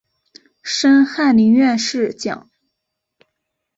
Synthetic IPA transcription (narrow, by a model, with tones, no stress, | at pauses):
ʂə˥nxa˥˩nli˧˥ŋɥɛ˥˧nʂɻ̩˥˩t͡ɕjɑ̰˨˩˦ŋ